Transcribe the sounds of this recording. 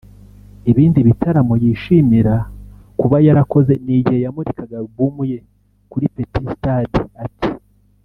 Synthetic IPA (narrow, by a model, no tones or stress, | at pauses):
iβiːndiβitʰaɾamojiʃimiɾa | kuβajaɾako̞ze̞niɟihejamuɾikaɡabumuje̞ | kuɾipetistadiatʰi̥